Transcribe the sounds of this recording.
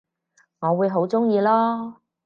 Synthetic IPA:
ŋɔː˨˧wuː˨˧jɦo˨˥wt͡sʊ˥ŋjiː˧lɔː˥

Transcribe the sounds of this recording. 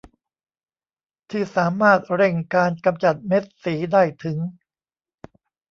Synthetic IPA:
t̪ʰiː˥˩saː˩˦maː˥˩t̪̚ɾe˥˩ŋkaː˧nka˧mt͡ɕa˨˩t̪̚me˦˥t̪̚siː˩˦daː˥˩jt̪ʰɯ˩˦ŋ

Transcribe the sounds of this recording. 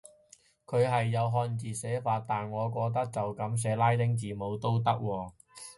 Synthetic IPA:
kʰɵ˨˧ɥɦɐ˨jːɐ˨˧wɦɔː˧nt͡siː˨˩sɛː˨˥faː˧t̚t̪ːaː˨nŋɔː˨˧kʷɔː˧t̪ɐ˥k̚t͡sɐ˨wkɐ˨˥ms̬ɛː˨˧˥laː˥jt̪ɪ˥ŋt͡siː˨˩mo˨˧wt̪o˥wt̪ɐ˥k̚wɔː˧

